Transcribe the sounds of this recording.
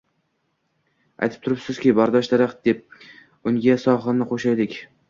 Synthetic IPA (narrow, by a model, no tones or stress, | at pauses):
a̰jt̪ʰɪ̥p̚t̪ʰʊɾɪpsɪz̥kʲɪbaɾd̪ɒʃd̪aɾaq̪̚d̪e̞p̚ | ʊŋɡʲasɒχɨnɪqʰoʃajd̪ɪkʲ